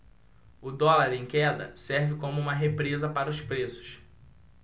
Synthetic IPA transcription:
ʊd̪ɔlaɾẽj̃kɛd̪ɐ̰sɛɾvɪkõmʊũmɐɦepɾezɐpaɾɐʊspɾesʊ̥s

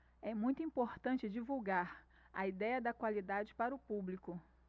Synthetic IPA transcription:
ɛmũj̃t̪ʊĩpoɾt̪ɐ̃nt͡ʃɪd͡ʒivuwɡaɾ | ɐid̪ɛjɐd̪ɐkwalid̪ad͡ʒɪpaɾʊpublikʊ

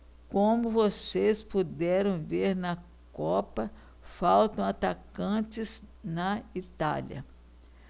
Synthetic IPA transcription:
kõmʊvosespud̪ɛɾɐ̃w̃veɾnɐ | kɔpɐ | fawt̪ɐ̃w̃at̪akɐ̃t͡ʃɪznɐit̪a̰ljɐ̰

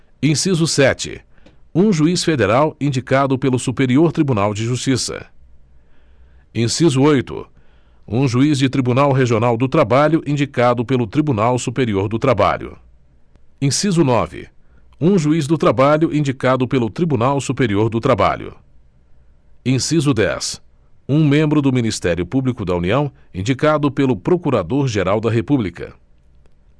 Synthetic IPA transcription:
ẽsizʊsɛt͡ʃɪ̰ũʒuisfed̪eɾawĩnd͡ʒikad̪ʊpelʊsupeɾioɾt̪ɾibunawd͡ʒɪʒust͡ʃisɐ̰ | ẽsizʊojt̪ʊ̰ | ṵ̃ʒuizd͡ʒɪt̪ɾibunawɦeʒionawd̪ʊt̪ɾabaʎʊʔĩnd͡ʒikad̪ʊpelʊt̪ɾibunawsupeɾioɾd̪ʊt̪ɾaba̰ʎʊ̰ | ẽsizʊnɔvɪ̰ | ũʒuiz̬d̪ʊt̪ɾabaʎʊʔĩnd͡ʒikad̪ʊpelʊt̪ɾibunawsupeɾioɾd̪ʊt̪ɾaba̰ʎʊ̰ | ẽsizʊd̪ɛ̰s | ũmẽmbɾʊd̪ʊminist̪ɛɾjʊpublikʊd̪ɐuniɐ̃w̃ | ĩnd͡ʒikad̪ʊpelʊpɾokuɾad̪oɾʒeɾawd̪ɐɦepublikɐ̰

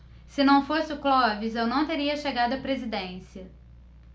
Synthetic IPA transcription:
sɪnɐ̃w̃fosɪʊklɔvizewnɐ̃w̃t̪eɾiɐʃeɡad̪ʊɐpɾezid̪ẽsiɐ

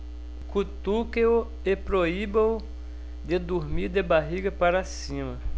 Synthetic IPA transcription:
kut̪ukeo | epɾoibew | d̪ed̪uɾmiɾd̪ebaɦiɡɐpaɾasĩmɐ

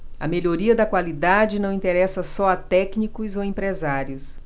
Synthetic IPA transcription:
ɐ̰meʎoɾiɐd̪ɐkwalid̪ad͡ʒɪnɐ̃w̃ĩnt̪eɾɛsɐsɔɐt̪ɛknikʊzowẽmpɾezaɾjʊs

